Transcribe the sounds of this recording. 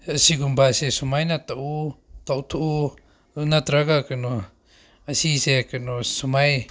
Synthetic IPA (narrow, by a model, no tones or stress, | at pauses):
ɐsiɡumbasesumajnat̪aʔut̪awt̪ʰuu | nat̪ɾaɡakɯnu | asisekɯnusumaj